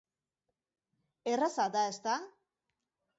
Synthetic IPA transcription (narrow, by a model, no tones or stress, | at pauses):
erasad̪aest̪a